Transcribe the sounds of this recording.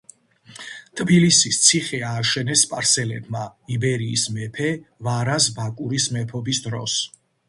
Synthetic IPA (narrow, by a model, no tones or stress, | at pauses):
t̪ʰbilisist̪sʰiχɛaːʃɛnɛspʼaɾsɛlɛbmaibɛɾiːsmɛpʰɛvaɾasbakʼuɾismɛpʰɔbisd̪ɾɔs